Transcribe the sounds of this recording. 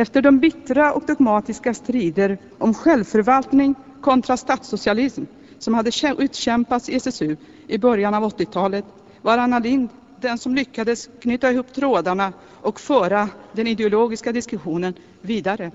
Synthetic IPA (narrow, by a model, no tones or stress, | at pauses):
ɛft̪əɖɔmbɪt̪ːɾaɔkd̪ɔɡmɑːt̪ɪskast̪ɾiːd̪əɾ | ʔɔmɧɛlvfœɾvalt̪nɪŋ | kʰɔnt̪ɾast̪ɑːt̪sʊsɪalɪsm | sɔmhad̪ːəʔʉ̟ːt̪ɕɛmpat̪sɪɛsɛsʉ | ʔɪbœɾjanavɔt̪ːɪt̪ʰɑːlət̪ | vaɾanːalɪnd̪ | d̪ɛnsɔmlʏkːad̪əskʰnyːt̪ːaɪhuːpːt̪ʰɾoːd̪aɳa | ʔɔkfœːɾad̪ɛnɪd̪ɛʊloːɡɪskad̪ɪskɵɧuːnən | viːd̪aɾə